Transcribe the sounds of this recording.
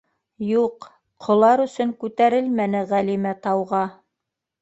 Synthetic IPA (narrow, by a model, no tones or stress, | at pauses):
juq | qʰŏlˠɑɾɵ̆sɵŋkʉt̪æɾɘlmænɘʁælimæt̪ɑwʁɑ